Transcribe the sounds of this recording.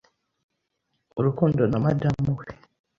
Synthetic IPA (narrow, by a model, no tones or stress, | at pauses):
oɾukuːndonamadamuwe